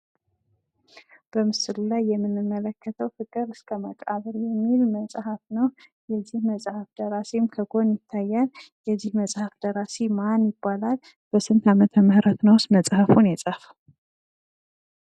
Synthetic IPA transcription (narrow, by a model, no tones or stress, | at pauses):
b̥əmɨsɨlulajːɛmːɨnːɨmːələkʰːət̪ʰəwfɨkʼɨɾɨskʰəməkʼaβəɾjɛmːilməsʼhafnəwjɛzːihməsʼhafd̪əɾasemkʰəɡo̞njɪt̪ʰːajːaljɛzːihməsʼhafd̪əɾasemanjɪbːalal | b̥əsɨnt̪ʰamət̪ʰəməhɾət̪nəwsməsʼhafunjɛsʼəhf